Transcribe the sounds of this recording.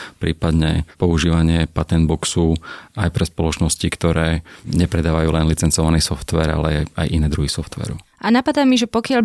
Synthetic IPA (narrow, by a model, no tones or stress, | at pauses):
pɾiːpad̪ɲɛpɔuʒiːʋaɲɪɛpat̪ɛnd̪̚bɔksuajpɾɛspɔlɔt͡ʃnɔscikt̪ɔɾɛːɲɛpɾɛd̪aːʋajuːlɛnlit͡sɛnt͡sɔʋaniːsɔft̪ʋɛːɾa̰lɛa̰jʔinɛːd̪ɾuɦisɔft̪ʋɛ̰ːɾṵʔanapad̪aːmiʒɛpɔkɪal